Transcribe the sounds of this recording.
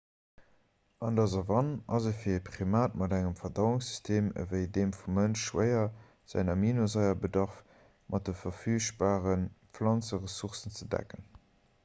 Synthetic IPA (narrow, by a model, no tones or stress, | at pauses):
ʔɑndɑzɑvɑnɑzefiɐepχimaːtmɑdæŋəmfɐdɑʊʊŋsy̥stʰeːmə̰vəɪdeːmfumːənʃʃwəɪɐ | z̥æ̰nɐminozɑɪɐbədɑʁf | mʔɑt̚dəfɐfyːʃb̥aːʁənflɑnt͡səʁəsuχsənt͡sədæ̰kən